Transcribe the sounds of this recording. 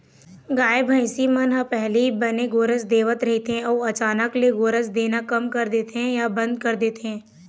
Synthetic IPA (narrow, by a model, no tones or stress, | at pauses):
ɡaːebʱə̃ɪsimɐnɦəpɛɦlibɐneɡoːɾəsd̪eːʋət̪ɾɐɦit̪eɦɛ̃ɔːɐt͡ʃaːnəkleɡoːɾəsd̪eːnakɐmkɐɾd̪eːt̪eɦɛ̃jabɐ̃nd̪̚kɐɾd̪eːt̪eɦɛ̃ː